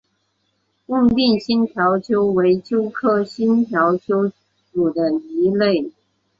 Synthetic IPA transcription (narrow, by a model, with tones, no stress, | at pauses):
ʊ˥˧ŋt̪i˥˩ŋɕi˥nt̪ʰjɑ˧˥ʊt͡ɕʰjo˥ʊwe˧˥ɪt͡ɕjo˥ʊkʰɤ˥˩ɕi˥nt̪ʰjɑ˧˥ʊt͡ɕʰjo˥ʊ | ʈ͡ʂu˨˩d̪ə˦i˧˥le˥˩ɪ